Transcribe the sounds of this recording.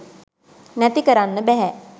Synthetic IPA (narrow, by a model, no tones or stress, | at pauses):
næt̪ikəɾanːəbæɦɛ